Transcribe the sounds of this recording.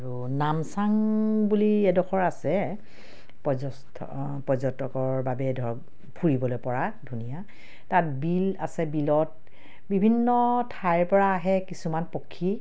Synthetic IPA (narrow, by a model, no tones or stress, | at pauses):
aɹu | namsaŋbuliɛdɔxɔɹasɛ | pɔzɔ | tʰ | pɔzɔtɔkɔɹbabɛdʱɔ | pʰuɹibɔlojpɔɹadʱunija | tat̚bila̰sɛbilɔt̚ | bibʱinːɔtʰajɹpɔɹaːɦɛkisumanpɔkʰːi